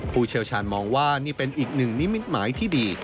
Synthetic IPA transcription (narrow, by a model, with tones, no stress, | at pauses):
pʰuː˥˩t͡ɕʰi˥əwt͡ɕʰaː˧˩nmɔː˧ŋwaː˥˩niː˥˩pe˧nʔiː˨˩k̚nɯ˨˩ŋni˦˥mi˦˥t̪̚maː˩˦jt̪ʰiː˥˩diː˧